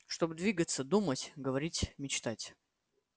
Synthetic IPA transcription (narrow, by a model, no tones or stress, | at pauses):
ʂt̪obɨd̪vʲiɡət̪səd̪umətʲɡəvɐɾʲitʲmʲɪt͡ɕt̪atʲ